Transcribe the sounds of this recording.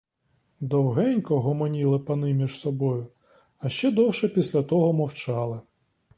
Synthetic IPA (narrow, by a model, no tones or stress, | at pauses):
d̪ɔwɦɛnʲkɔɦɔmɔnʲilˠɪpɐnɪmʲiʒsɔbɔjʊ | ɐʃt͡ʃɛd̪ɔwʃɛpʲisʲlʲɐt̪ɔɦɔmɔwt͡ʃɑlˠɪ